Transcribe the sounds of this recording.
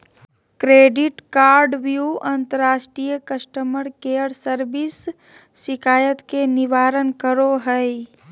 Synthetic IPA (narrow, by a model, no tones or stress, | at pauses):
kɾeːɖɪʈkaːɾɖʋjuʔɐ̃nt̪əɾːaːʃʈɾijəkəsʈəməɾkeəɽsəɾbɪsː | ɪkʰaːjət̪kenɪʋaːɾənkəɾoɦəe